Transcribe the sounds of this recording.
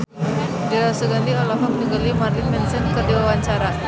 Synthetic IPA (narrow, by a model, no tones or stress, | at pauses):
diɾasəɡant̪ialaɦɔməniŋɡalimarlinmɛnsənkərdiwawaɲt͡ʃaɾa